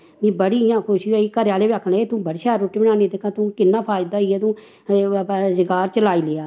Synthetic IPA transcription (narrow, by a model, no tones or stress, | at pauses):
mĩːbəɽiːjãːkʰʊʃiːoiːkəɾjaːleːbaːkʰːəneːt̪ũːbəɽʃaːɾoːʈiːbənaːneːd̪eːkʰãːt̪ũːkɪnːaːpʰaːjd̪aːiːɛːt̪ũː | zɪɡaːɾt͡ʃəlaːiːleːaː